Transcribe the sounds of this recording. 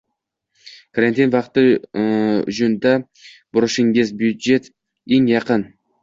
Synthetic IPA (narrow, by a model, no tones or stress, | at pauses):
kʰaɾant̪ʰinvɑqt̪ːɨ̰ | ʒʊnd̪a | b̥ʊɾʊʃɪŋɡʲezbjud̪d͡ʒe̞t̪ | eŋjɑqən